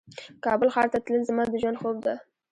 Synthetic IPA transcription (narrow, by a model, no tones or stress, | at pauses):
kʰɑbʊlχaɾt̪at̪ʰɪlɪnzɪmad̪ʊd͡ʒɑnχobd̪a